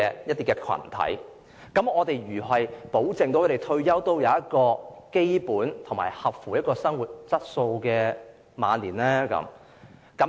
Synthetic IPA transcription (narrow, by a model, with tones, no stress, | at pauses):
ɛ˧jɐ˥t̚t̪iː˥kɛː˧kʰwɐ̰˨˩nt̪ʰɐ̰˨˥j | kɐ˨˥mɔː˨˧t̪e˨jɥyː˨˩ɦɐ˨jpo˨˥wt͡sɪ˨ŋt̪o˨˥wkʰːɾe˨˩jt̪ʰɵ˧ɥjɐ˥wt̪o˥wjɐ˨˧wjɐ˥t̚kɔː˧ke˥jpuː˨˥nt̪ʰo˨˩ma̰ː˨˩jhɐ˨p̚fuː˨˩jɐ˥t̚kɔː˧sɐ˥ŋwuː˨t̚t͡sɐ˥t̚so˧wkɛː˧ | ma̰ː˨˧nliː˨˩nlɛː˥kɐ̰˨˥m | kɐ˨˥m